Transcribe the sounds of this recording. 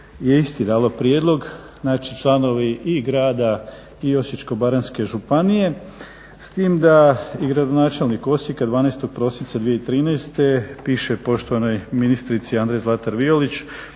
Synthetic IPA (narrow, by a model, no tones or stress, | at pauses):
jeist̪id̪aːlo̞pɾjed̪lˠo̞ɡ | naːt͡ʃit͡ʃlˠano̞ʋiiɡɾaːd̪a | io̞sjit͡ʃko̞baɾanske̞ʒupanije̞ | st̪iːmd̪aiɡɾad̪onaːt͡ʃe̞lniko̞sjikad̪ʋaːnɛjst̪o̞ɡ̥̚pɾo̞sint̪sad̪ʋije̞it̪ɾiːnɛjst̪e̞piːʃe̞po̞ʃt̪o̞ʋano̞jminist̪ɾit̪siand̪ɾejzlˠat̪aɾʋiolit͡ɕ